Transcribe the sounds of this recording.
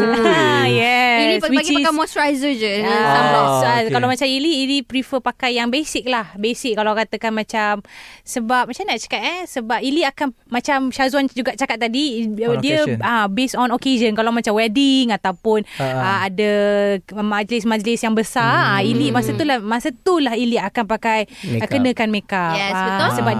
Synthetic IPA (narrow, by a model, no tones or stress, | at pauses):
jɛiiswiaɡiaamɔsɹajzəd͡ʒə | kalamat͡ʃamiliːlipɾifəpakajːaŋbesik̚lahbesikːalakat̪əkanmãt͡ʃamsəbap̚mat͡ʃamnaʔt͡ʃə̥kat̪̚ɛsəbap̚iliakanmãt͡ʃamʃazuand͡ʒuɡaʔt͡ʃakat̪̚ːadidiəabesɔnoked͡ʒənkalawmat͡ʃamwɛdiŋat̪awpʊnəadə | mad͡ʒlɪsmãd͡ʒəlɪsjaŋbəsaailimasət̪ulamasət̪ulahiliakanpakajkənə̃kanmekaɛsəsəba